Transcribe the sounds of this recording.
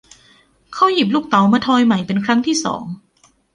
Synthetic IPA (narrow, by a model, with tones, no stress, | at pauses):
kʰa˦˥˩wji˨˩p̬̚luː˥˩k̚t̪a˨˦wmaː˧t̪ʰɔː˧jma˨˩jpe˧nkʰɾa˦˥ŋt̪ʰiː˥˩sɔ̰ː˩˦ŋ